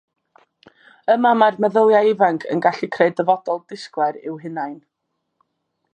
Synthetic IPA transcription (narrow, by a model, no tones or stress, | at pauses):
əmamarməðəwjaɪvaŋkʰə̰nɡaɬikʰreɨdəvɔdɔlˠd̥ɪsklˠɛɾɪwɦɪnajn